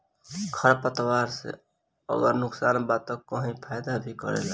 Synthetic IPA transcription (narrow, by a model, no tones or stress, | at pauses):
kʰəɾpət̪waɾsḛ | ə̰ɡəɾnʊksaːnbat̪əəɦĩpʰajd̪abʱikəɾḛla